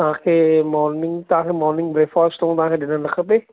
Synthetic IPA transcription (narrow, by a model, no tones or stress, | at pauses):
t̪ãːkʰeːmɔːɾnɪ̃ŋɡt̪ãːkemɔːɾnɪ̃ŋɡbɾeːfaːst̪õːt̪ãːkedɪnə̃nləkʰəpeː